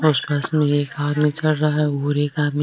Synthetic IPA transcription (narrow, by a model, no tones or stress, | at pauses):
ʊspaːsmẽeːkaːd̪mit͡ʃɐlɾaɦaɦɛbʱuːɾeːkaːd̪mi